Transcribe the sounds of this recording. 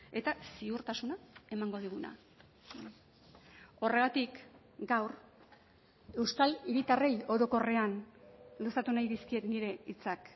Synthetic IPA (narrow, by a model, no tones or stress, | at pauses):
e̞t̪asiuɾt̪asunae̞maŋɡo̞ð̞iɣ̞una̰ | o̞re̞ɣ̞at̪ik | ɡawɾ | e̞wskaliɾit̪are̞jo̞ɾo̞ko̞re̞anlosat̪unajðiskie̞t̪niɾe̞it͡sak